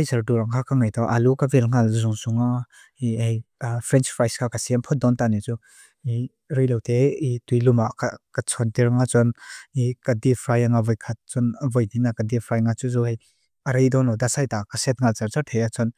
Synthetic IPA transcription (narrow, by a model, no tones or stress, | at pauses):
ajzɐɾduɾaŋkʰakaŋajtɔʔalukavelŋalzuŋsuŋa | iɦejpʰɾɛnt͡ʃpʰɾajskʰakasimpʰɔt̚d̪ɔntanit͡su | i | ɾijlɔwteitujlumakakat͡sʰɔntiɾŋat͡sɔnikadipʰɾajaŋavɔjkʰat̪̚t͡sɔnəvɔjninakadipʰɾajŋat͡suzɔɦej | əɾəjdɔnɔdasajtakasɛt̚ŋalt͡saɾt͡sat̪ʰejat͡sɔn